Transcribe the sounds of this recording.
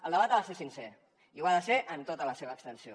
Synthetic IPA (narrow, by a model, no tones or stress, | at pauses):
ə̰lˠd̪əβat̪aðəsesinse | iwaðəseʔənt̪ot̪ələseβəːkst̪ənsio